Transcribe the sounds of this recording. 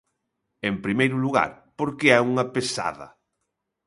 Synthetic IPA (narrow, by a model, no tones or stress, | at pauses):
empɾimejɾuluɣa̰ɾ | poɾkeɛuŋɐpesa̰ðɐ̰